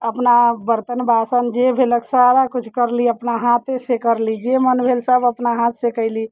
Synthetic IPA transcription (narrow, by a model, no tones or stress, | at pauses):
əpnabəɾt̪ənbasənd͡ʒebʱeləksaɾakut͡ʃʰkəɾliəpnaɦat̪esekəɾlid͡ʒemənbʱelsəbəpnaɦãt̪sekəɪli